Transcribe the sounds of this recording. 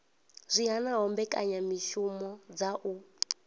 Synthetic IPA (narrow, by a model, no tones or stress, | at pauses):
zʷiɦanaɦɔmbɛkʼa̰ɲamiʃumɔd͡zaʔu